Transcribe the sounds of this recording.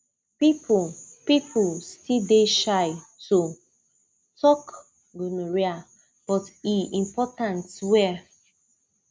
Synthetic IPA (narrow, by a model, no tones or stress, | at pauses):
pipupipʰustideʃajto | tɔk | ɡunuɹia | b̥ɔtiĩmpɔtãntwɛ